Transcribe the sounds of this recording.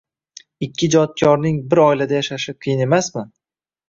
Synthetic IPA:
ɪkʲʰːɪd͡ʒɒt̪̚kʲʰɒɾnɪŋbɪɾɒjlad̪ajaʃaʃɪqʰɨjɪne̞masmɪ

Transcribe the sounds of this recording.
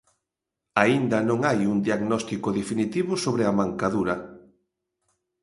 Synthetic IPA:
aind̪ɐnõŋajuŋd̪iaɣnɔst̪ikoðefinit̪iβʊsoβɾɪamaŋkaðuɾɐ

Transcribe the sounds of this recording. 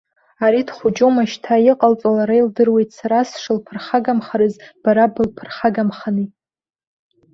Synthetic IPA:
aɾidχʷʊd͡ʒʼomaʃtʰajɪqʼalt͡sʼalaɾajldɨrwe̞jtʼʰsaɾasʂɨlpʰɨrχaɡamχaɾɨzb̥aɾabɨlpʰɨrχaɡamχani

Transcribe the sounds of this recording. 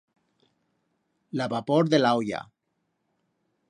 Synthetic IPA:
laβapoɾðelawja̰

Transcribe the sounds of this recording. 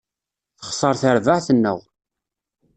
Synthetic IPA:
θə̥χsˤɑɾˤθəɾvəʕθənːə̰ʁ

